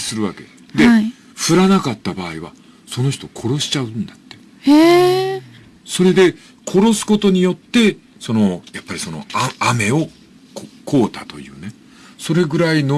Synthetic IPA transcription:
sɨɾɯ̟βa̰ke̞̰ | d̪e̞ | ɸɯ̟ɾanakat̪ːabaːiβ̞a̰ | so̞no̞çi̥t̪o̞kʰo̞ɾo̞ɕi̥t͡ɕaɯ̟̃nd̪at̪ːe̞̥ | e | so̞ɾe̞d̪e̞ | kʰo̞ɾo̞sɨ̥ko̞t̪o̞ɲ̟ijo̞t̪ːe̞ | so̞no̞japːaɾʲisono̞̰aame̞o̞ | kkʰo̞ːt̪at̪o̞̰jɯ̟̰ːne̞ | so̞ɾe̞ɡɯ̟ɾaino

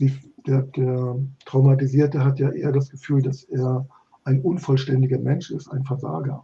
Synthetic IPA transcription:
z̥id̥eːɐd̥eːɐtʁ̥aʊmatiziːɐtəɦatjaːʔḛːɐdasɡ̥əfyːldaseːɐ | ʔaɪnʔʊnfɔlʃtɛndɪɡɐmɛnʃɪsta̰ɪnfɛɐza̰ːɡɐ

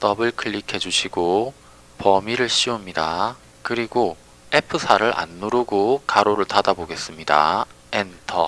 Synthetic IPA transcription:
t͈ʌbɯɭkʰɯɭʎːikʰe̞d͡ʑuɕʰiɡo | pʌmiɾɯɭɕ͈ʰiomɲida | kɯɾiɡo | e̞pʰɯsʰaɾɯɾʔa̰nːuɾoɡokaɾoɾɯɭtadaboɡe̞s͈ɯmɲida̰ | entʰʌ̰

